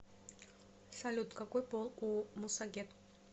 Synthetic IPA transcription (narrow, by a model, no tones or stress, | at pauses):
salʲut̪kakɔjpɔlˠumusaɡʲɛt̪